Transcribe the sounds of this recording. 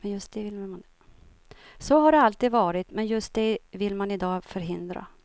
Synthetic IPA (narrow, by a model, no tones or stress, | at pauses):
mɛnjɵst̪̚d̪̥ɛvɪlman | sɔɦaɖɛalt̪iːd̪vɑːɾɪt̪mɛnjɵst̪̚d̪ɛvɪlːmanɪd̪ɑːfœɾɦɪnd̪ɾa̰